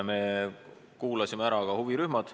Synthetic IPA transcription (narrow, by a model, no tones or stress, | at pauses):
me̞ | kuːlɑsimeæɾɑkɑhuviɾyhmɑd̪̥